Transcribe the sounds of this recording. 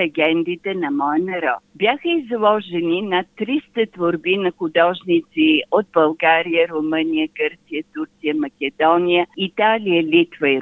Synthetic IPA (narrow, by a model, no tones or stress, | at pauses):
ɛɡʲɛnd̪it̪ɛnɐmɔjənɐɾɔ̰t̪bjaxəizlˠɔʒɛninɐt̪ːɾist̪ət̪voɾbinɐxʊd̪ɔʒnit̪siod̪̚bɐlˠɡaɾijəɾomənijəɡəɾt̪sijət̪uɾt̪sijəmɐkʲɛd̪ɔnijəit̪alijəlit̪vəi